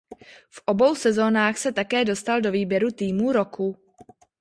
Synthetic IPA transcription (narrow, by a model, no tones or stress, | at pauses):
fʔobo̞wsɛzo̞ːnaːxsɛt̪akɛːdo̞st̪aldo̞viːbjɛɾut̪iːmuːɾoku